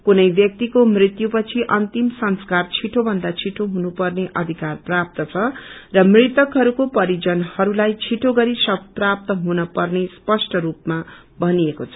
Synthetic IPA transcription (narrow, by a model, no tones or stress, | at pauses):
kunʌjbjʌk̚t̪ikomrit̪jupʌt͡sʰiʔʌnt̪imsʌnskart͡sʰiʈʰobʱʌnd̪at͡sʰiʈʰoɦunupʌrneʔʌd̪ʱikarprap̚t̪ʌt͡sʰʌrʌmrit̪ʌkɦʌɾukopʌɾid͡zʌnhʌɾulajt͡sʰiʈʰoɡʌɾisʌb̚prap̚t̪ʌɦunʌpʌrnespʌsʈʰʌɾupma | bʱʌniekot͡sʰʌ̥